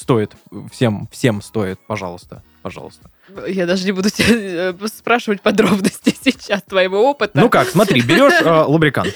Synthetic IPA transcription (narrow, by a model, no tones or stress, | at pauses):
st̪o̞ɪt̪fsʲemfsʲemst̪oɪt̪̚pɐʐɑ̰lˠəst̪ə̰ | pɐʐɑ̰lˠəst̪ə | jad̪aʐɨnʲɪbud̪ʊtʲɪaspɾaʂɨvətʲpɐd̪ɾo̞bnəsʲtʲɪsʲit͡ɕast̪vɐimuo̞pɨt̪ʊnukaksmɐt̪ɾʲibʲɪɾʲo̞ʂəlˠəbɾʲɪka̰nt̪